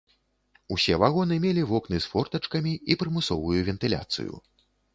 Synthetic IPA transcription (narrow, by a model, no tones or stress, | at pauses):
usʲɛvaɣɔn̪ɨmʲelʲivɔknɨsfɔrt̪ɐt͡ʂkɐmʲiipɾɨmɨsɔ̰vujuvʲɛnt̪ɨlʲa̰t̪sɨ̰jṵ